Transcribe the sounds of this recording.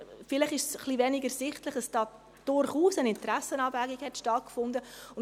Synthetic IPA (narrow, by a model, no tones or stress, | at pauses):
fɪlɪχɪʃsχlivɛnɪɡəsɪχtləχəsd̥ɑː | d̥ʊɾχuːsənɪntɾæsənɑːbvæɡiɡhɛtʃtɑt̚kfʊndəʊn